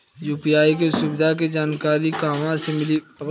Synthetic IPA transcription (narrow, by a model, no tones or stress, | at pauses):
juːpiaːikesubɪd̪ʱak̬ed͡ʒaːnkaːɾikaːʋãsemɪliɐ